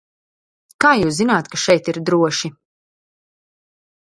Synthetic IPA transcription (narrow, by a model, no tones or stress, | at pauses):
kaːjuːszinaːt̪kaʃɛjt̪iɾd̪ɾuɔʃi